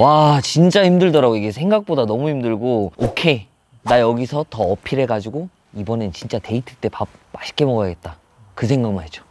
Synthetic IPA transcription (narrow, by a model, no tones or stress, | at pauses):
wat͡ɕint͡ɕ͈aimdɯɭdʌɾaɡoiɡesʰe̞ŋɡak̚p͈odanʌmuimdɯɭɡookʰe̞ | najʌɡisʰʌtʌːpʰiɾe̞ɡad͡ʑiɡo | ibʌnet͡ɕint͡ɕ͈ate̞itʰɯɭt͈e̞pap̚mːaɕʰi̥k͈e̞mʌɡajaɡe̞t̚t͈a | kɯsʰe̞ŋɡak̚maɾid͡ʑo̥